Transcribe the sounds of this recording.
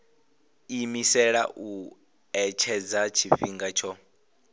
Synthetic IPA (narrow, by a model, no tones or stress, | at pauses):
imisɛɺa̰ʔu | ɛt͡ʃʰɛd͡zat͡ʃʰiɸiŋɡat͡ʃʰɔ